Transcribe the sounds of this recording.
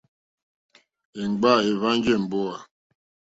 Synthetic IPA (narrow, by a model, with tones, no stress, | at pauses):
e˨ŋ˨ɡ͡ba˦˨e˨va˦n˦d͡ʒɛ˦˨m̩˨bo˦a˨